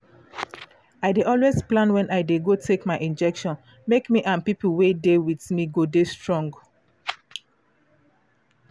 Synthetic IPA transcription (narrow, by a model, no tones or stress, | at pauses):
aɪdeʔɔlwezplãnwɛ̃nʔaɪdeɡotʰekmaɪʔĩnd͡ʒɛkʃɔ̃n | mekmiʔãnpipuwedewiθmiɡodestɹɔ̃ŋɡ